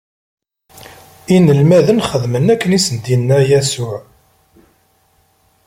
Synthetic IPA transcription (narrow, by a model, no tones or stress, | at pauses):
inəlmæðənχəðmənækːənisənd̪inːæjæsʊʕ